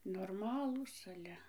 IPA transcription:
noːrˈmɑːlˠuːs ɐˈlʲɛ

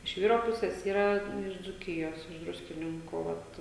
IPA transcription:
ɪʃ ˈʋʲiːroː ˈpʊsʲeːs ˈiːrɐ ˈtʲɛn ɪʃ d͡zuːˈkʲɪjoːs ɪʃ ˈdrʊsʲkʲɪnʲɪŋkuː ˈʋɐt

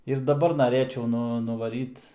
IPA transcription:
ɪr dɐˈbɐr nɐˈrʲeːt͡ʃʲɛʊ ˈnʊ nʊʋɐˈrʲiːt

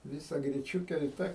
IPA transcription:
ˈʋʲɪsɐ ɡrʲɪˈt͡ʃʲuːkʲɛ ɪ ˈtɐ

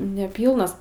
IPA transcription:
nʲɛˈpʲiːlˠnɐs

